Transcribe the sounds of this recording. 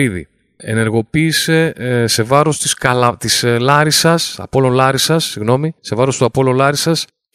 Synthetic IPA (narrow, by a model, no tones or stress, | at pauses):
iðḭ | ene̞ɾɣo̞piːse̞se̞vɐɾo̞st̪iskɐlɐt̪islɐɾisɐsɐ̰po̞lo̞nlɐɾisɐsːiɣno̞mise̞vɐɾo̞st̪uɐpo̞lolɐɾisɐs